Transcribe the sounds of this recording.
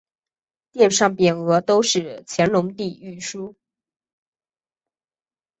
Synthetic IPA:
t̪jɛ˥˧nʂɑ˥˩ŋpjɛ˨˩nɤ˧˥t̪o˥ʊʂɻ̩˥˩t͡ɕʰjɛ˧˥nlʊ˧˥ŋt̪i˥˧y˥˩ʂu˥

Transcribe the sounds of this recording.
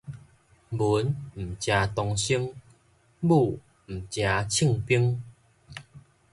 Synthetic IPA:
bu˨˦nm̩˨˩t͡ɕja˧t̪ɔ˧ŋɕi˦əŋ | bu˥˧˩ | m̩˨˩t͡ɕja˨˧t͡ɕʰi˥˧˨ŋpi˦əŋ

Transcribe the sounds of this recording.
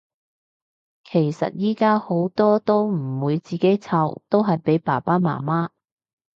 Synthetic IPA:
kʰe˨˩jsɐ̰˨t̚jiː˥kaː˥ho˨˥wt̪ɔː˥t̪o˥wm̩˨˩wuː˨˧jt͡siː˨˩ke˨˥jt͡sʰɐ˧wt̪o˥wɦɐ˨jpe˨˥jpaː˨˩paː˥ma̰ː˨˩maː˥

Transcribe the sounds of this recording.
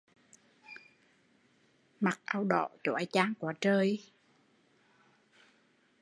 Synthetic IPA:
ma˨˩k̚ʔaː˧wɗɔ̰˧˨t͡ɕɔ˧˩˦ʔa˧˩jt͡ɕaː˧ŋkwaː˨˦t͡ɕəː˧j

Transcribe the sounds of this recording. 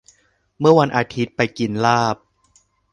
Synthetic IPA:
mɯ˥˩ɐwa˧nʔaː˧t̪ʰi˦˥t̪̚pa˧jki˧nlaː˥˩p̚

